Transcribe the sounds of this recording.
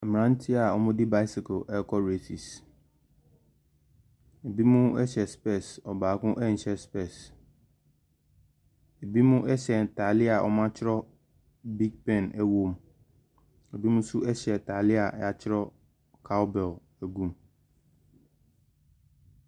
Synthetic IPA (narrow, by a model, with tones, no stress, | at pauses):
a˨m˨ã˦n̩˦tʰi˦a˨ɔ˨mʊ̃˦dɪ˦ba˦ɪ˦sɪ˨kʰo˨ʔɛ˦kʰɔ˦ɾe˦si˨s | e˨bi˦mʊ̃˦ɛ˦ɕɛ˨spɛ˦˨sɔ˨baː˨kʊ̃˦ʔɛ˦n̩˨ɕɛ˦spɛ˦˨s | e˨bi˦mʊ̃˦ʔɛ˦ɕɛ˨tʰa˨lɪ˦a˨ʔɔ̰˦mã˦t͡ɕʰɪ˦ɾɔ˦ | bi˦ɡ̚pɛ̃˨nɛ˨wo˦m˦ | e˨bi˦mʊ̃˦sʊ˦ɛ˦ɕɛ˨tʰa˨lɪ˦a̰˨˦a˨t͡ɕʰɪ˦ɾɔ˦ | kʰa˦wbɛ˨l | æ˨ɡũ˦˨m